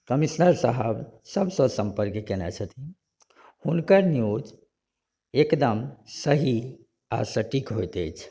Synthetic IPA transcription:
kəmisnəɾsəɦəbsəbsə̃sə̃mpəɾkekenɛ̰t͡ʃʰət̪ʰi | hunkəɾnjud͡ʒ | ekd̪əmsəɦi | a̰səʈikɦojt̪ejt͡ʃʰ

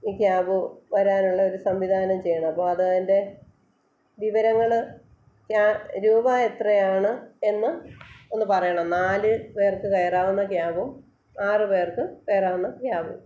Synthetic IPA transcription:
iːkjaːbɨʋɐɾaːnuɭːɐo̞ɾusɐmʋid̪ʱaːnɐmt͡ɕe̞jːɐɳɐmɐpːoːɐðɨɐðinde̞ | ʋiʋɐɾɐŋːɐɭɨ | kjaɾuːbaːe̞t̪rɐjaːɳɨe̞nːɨo̞nːɨpɐrɐjɐɳɐmnaːlɨpe̞ːrkɨkɐjɐraːʋunːɐkjaːbum | aːrɨpe̞ːrkɨkejɐraːʋunːɐkjaːbum

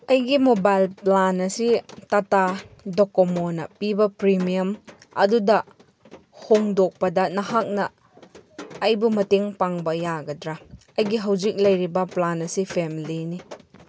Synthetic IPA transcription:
ɐjɡimobajlplanɐsitatadokomɔnɐpibɐpɾimiɐm | ɐ̰dudɐ | hoŋdok̚pɐdɐnɐɦak̚nɐ | jbumɐteŋpaŋbɐjaɡɐdɾa | ɐjɡiɦɐwzik̚lɐjɾibɐplanɐsipʰemilini

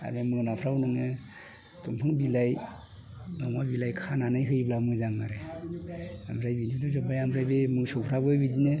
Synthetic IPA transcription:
a̰ɾemɯnapʰɾawnɔŋe | tuŋpʰaŋbilaj | mamabilajkʰananɯjɦɯjblamɯzaŋaɾe | amɾajbiniduzɔbajamɾajbemɯsɔpʰɾabɯbidine

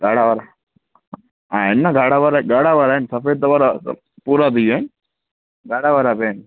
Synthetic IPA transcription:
ɡaːɽaʋaɾa | aenːaɡʱaːɽaʋaɾaɡaːɽaʋaɾaensɐfeːt̪aʋaɾa̰ | puɾat̪ijn | ɡʱaːɽaʋaɾapeːn

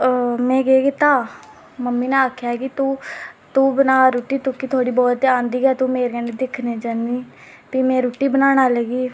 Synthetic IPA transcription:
mɛ̃ːɡeːɡiːt̪aː | məmːiːnẽːaːkʰjaːɦɛkit̪uːt̪uːbənaːɾoːʈiːt̪ʊkiːt̪ʰoːɽiːbɔːt̪ãːnd̪iːɡɛːt̪uːmeːɾɡɛːned̪ɪkʰneːd͡ʒəniː | piːmɛ̃ːɾoːʈːiːbənaːnaːləɡiː

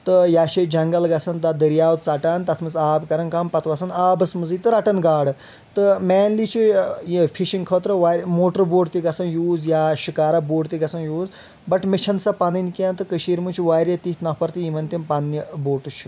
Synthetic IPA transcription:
t̪ɨjaːʃed͡ʒɐŋɡɐlɡɐsɐnd̪ad̪əɾjaːʋw̪t͡sɐʈant̪ɐt̪ʰmɨzaːbkɐɾɐnkampɐt̪ʰʋɐsɐnaːbɐsmɨzɨt̪ɨɾɐʈɐnɡaːɽɨ | t̪ɨmɛːnliːt͡ʃʰipʰiʃiŋkʰəːt̪ɾɨʋaːɾʲmoːʈəɾboːʈt̪iɡɐsɐnjuːzjaːʃikaːɾɐboːʈt̪iɡɐsɐnjuːz | bɐʈmet͡ʃʰɐnsɐpanɨnʲkiãːnt̪ɨkəʃiːɾmut͡ʃʰiʋaːɾʲjɐt̪it̪ʰnɐpʰɐɾt̪ijimɐnt̪impanːiboːʈɨt͡ʃʰi̥

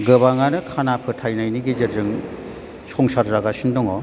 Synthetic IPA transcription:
ɡɯbaŋanɯkʰanapʰɯtʰajnajniɡid͡ʒɯɾzɯŋ | sɔŋsaɾzaɡasindɔŋɔ

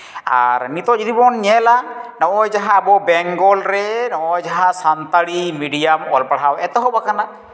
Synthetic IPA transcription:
a̰ɾnit̪ɔd͡ʒid̪ibɔnɲɛlanɔɔjd͡ʒaɦãːbɔbɛŋɡɔlɾɛnɔʔɔjd͡ʒaɦãsant̪aɽimiɖijamɔlpaɽawɛt̪ɔɦɔbakana

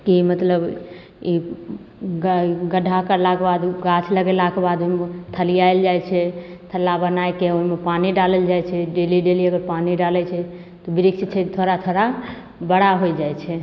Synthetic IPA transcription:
kimət̪ləb | i | ɡɡəɖʱːakəɾlakebad̪ɡat͡ʃʰləɡelakebad̪omt̪ʰəlijaeld͡ʒajt͡ʃʰɛt̪ʰəlːabənajkeoimepaniɖaləld͡ʒajt͡ʃʰɛɖeliɖeliəɡəɾpaniɖalɛt͡ʃʰɛ | t̪ɔbiɾikt͡ʃit͡ʃʰɛt̪ʰoɾat̪ʰoɾa | bəɽaɦojd͡ʒajt͡ʃʰɛ

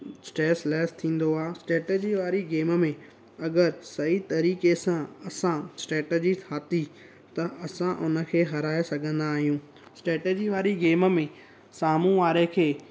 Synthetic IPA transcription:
sʈɾeːslɛːst̪ʰĩːn̆d̪oaːsʈɾeːʈeːd͡ʑiʋaːɾiɡeːməmẽ | ɐɡəɾsɐit̪ɐɾiːkesãɐsãsʈeːʈed͡ʑit̪ʰaːt̪i | t̪ɐʔɐsãʔʊnə̆kʰeːɦɐɾaːesɐɡʱə̃nd̪aːɦijũː | sʈɾeːʈeːd͡ʑiʋaːɾiɡeːməmẽ | saːmũʋaːɾekʰeː

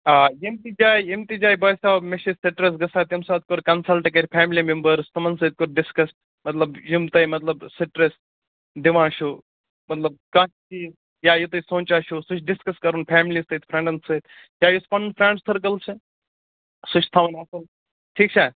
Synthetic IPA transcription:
aːjimt̪id͡ʒaːjjemt̪id͡ʒaːjbɐːjsaːbmeʃisɐʈɾes̬ɡɐsaːt̪jɐmsaːt̪̚koɾkɐnsɐlʈkɐɾʲpʰaːmlimembəɾst̪ʰɐmɐnsɨːt̪̚koɾɖɪskɐsʈ | mɐt̪lɐbjimt̪ɐjmɐt̪lɐbsɐʈɾes | ɖiʋãːʃu | mɐt̪lɐb̚kɐʃt͡ʃʰi | jaːjut̪ɐsõːnt͡ʃaːʃusut͡ʃʰɖiskɐskɐɾunpʰaːmlisɐːt̪̚pʰɾẽɳɖɐnsɐt̪ | jaːjuspɐnnpʰɾeːɳɖssɐɾkɐlsʰɨ | sut͡ʃʰt̪ʰɐʋɐnɐːsɐl | ʈʰiːkt͡ʃʰaː

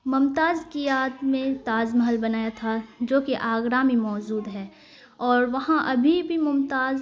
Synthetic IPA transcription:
mʊmt̪aːzkijaːd̪mẽt̪aːzməɦəlbɐnaːjat̪ʰad͡ʒoːkeʔaːɡɾaːmimɔːd͡ʒuːd̪ɦɛː | ɔːɾʋɐɦãʔɐbʱibʱimʊmt̪aːz

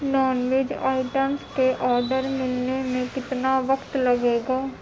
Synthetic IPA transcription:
nɔːnʋɪd͡ʒa̰ːɪʈənskeʔɔːɖəɾmɪlnemẽkɪt̪naːʋəkt̪ləɡeːɡaː

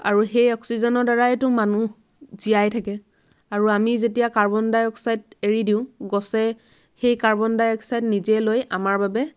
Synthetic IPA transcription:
a̰ɹuxejɔksizɔnɔɹdaɹaɛtʊmanu | zijajtʰakɛ | aɹuamizetijakaɹbɔndajɔksajt̚eɹidiʊ̃ɡɔsɛ | xejkaɹbɔndajɔksajtnizɛlojamaɹbabɛ

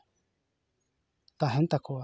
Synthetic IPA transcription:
t̪aɦẽnt̪akʰua

